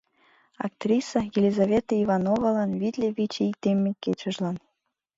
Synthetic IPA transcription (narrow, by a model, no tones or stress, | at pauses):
ɑ̰k̚t̪rʲisɑjelʲizavʲet̪əivɑnovɑlɑnvʲit̪ʲlʲeβʲit͡ɕeik̚t̪emʲːekʲet͡ɕə̆ʒlˠɑn